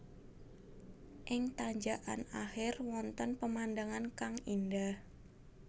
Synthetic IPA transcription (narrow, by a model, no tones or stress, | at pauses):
ʔɪŋt̪aɲd͡ʒaʔa̰naxɪrwɔnt̪ənpəmandəŋankaŋindah